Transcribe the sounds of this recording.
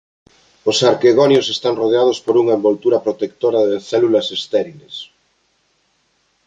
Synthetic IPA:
osaɾkeɣonjosest̪aŋroðeað̞ospoɾuŋɐembolt̪uɾɐpɾot̪ekt̪oɾɐðeθɛlulɐsest̪ɛɾiles

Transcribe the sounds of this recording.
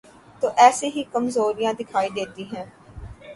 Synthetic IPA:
t̪oːʔɛːseːɦiːkəmzoːɾijãːd̪ɪkʰaːid̪eːt̪iːɦɛ̃ː

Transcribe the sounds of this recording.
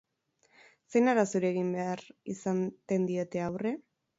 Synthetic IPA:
se̞jnaɾasuɾeɣ̞imbe̞arisant̪e̞nd̪ie̞t̪e̞awre̞

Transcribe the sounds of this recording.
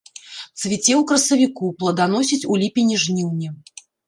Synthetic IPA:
t̪svʲit͡sʲɛwkɾɐsɐvʲikuplˠɐd̪anɔsʲit͡sʲulʲipʲinʲiʐnʲiwnʲi

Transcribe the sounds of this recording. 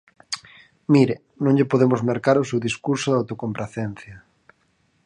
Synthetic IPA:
miɾɪ | nõŋʎɪpoðemʊzmeɾkaɾosewðiskuɾsʊðawt̪okompɾaθen̟θjɐ

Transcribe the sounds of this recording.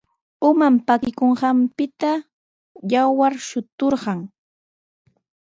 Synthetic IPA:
ʊmampakɪkoɴɢɑmpɪt̪a | jawaɾʃʊt̪oɾɢɑŋ

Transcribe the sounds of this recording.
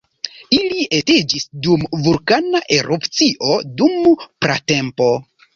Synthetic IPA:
ilie̞ted͡ʒisdumvulkanaʔe̞ɾʔupt͡siʔo̞dumpɾa̰te̞mpo̞

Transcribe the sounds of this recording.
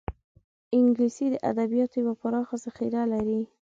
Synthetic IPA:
ɪŋɡlisid̪əʔa̰d̪abijɑt̪ojwapaɾɑxazaxiɾalaɾi

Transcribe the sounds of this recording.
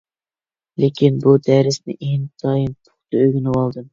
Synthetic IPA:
lekʲʰinbud̪æɾɪsnɪ̰ʔeŋt̪ʰɑːjɨnpʰʊ̥χt̪ɨøɡʲinɨwɑlˠd̪ɨm

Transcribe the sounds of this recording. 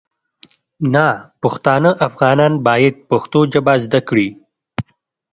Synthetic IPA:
napʊxt̪ɑːnəʔafɣɑnɑːnbɑːjɪd̪̚paxt̪od͡ʒabɑzd̪akɽi

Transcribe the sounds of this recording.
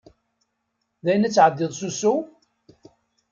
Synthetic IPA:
ðæjənæt͡sːʕəd̪ːɪðˤsusu

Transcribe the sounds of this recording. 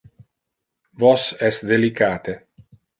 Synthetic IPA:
vɔsɛsd̪elikaːt̪e

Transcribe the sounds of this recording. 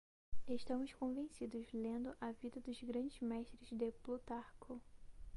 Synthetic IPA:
eʃt̪ɐ̃mʊskõvẽsid̪ʊzlẽnd̪ʊʔɐvid̪ɐd̪ʊzɡɾɐ̃d͡ʒɪzmɛʃt̪ɾɪzd̪eplut̪aɾkʰʊ

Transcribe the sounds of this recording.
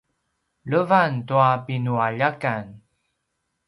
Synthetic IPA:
ɭəvantuapinuaʎakan

